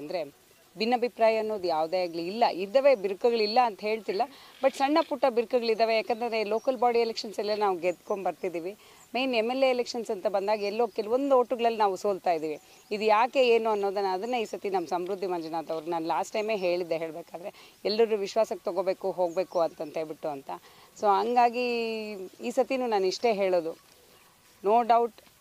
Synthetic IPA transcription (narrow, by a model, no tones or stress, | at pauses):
ɐnd̪ɐɾe̞ | bʱinːɐbʱipɾaːjɐɐnːo̞ːd̪ujaːʋd̪eaɡliilːɐʔid̪ɐʋe̞biɾkɐɡɐɭilːɐːnt̪ɐɦe̞ːɭt̪ilːɐbɐʈsɐɳːɐpuʈːɐbiɾkɐɡɐɭid̪ɐʋe̞jaːkent̪ɐnd̪ɾelo̞ːkɐlbaːɖielekʂɐnsɐlːɐnaːʋuɡet̪koɳbɐɾt̪id̪iːʋi | mejnemːelːe̞ːlekʂɐnsɐnt̪ɐbɐnd̪aːɡɛlːokeluʋond̪uoːʈːuɡɐɭɐlːinaːʋusoːlt̪aːjid̪iːʋi | id̪ujaːke̞eːnuɐnːod̪ɐnːɐːd̪ɐnːɐiːsɐt̪inɐmːɐsɐmɾud̪ʱːimɐnd͡ʒɐnaːt̪ɐʋɐɾɡnaːnlaːsʈːɐjme̞ːɦe̞ːɭid̪ːeɦeːɭbeːkaːd̪ɐɾe̞ɛlːɾɐɾuʋiʃʋaːsɐkːe̥t̪ɔɡoːbe̞ːkuɦo̞ːɡ̚be̞ːkuɐnt̪ɐnt̪ɦebiʈːuɐnt̪ɐ | so̞ːɦɐŋɡaːɡi | iːsɐt̪inuːnaːniʂʈe̞ːɦe̞ːɭoːd̪u | noːɖɐwuʈ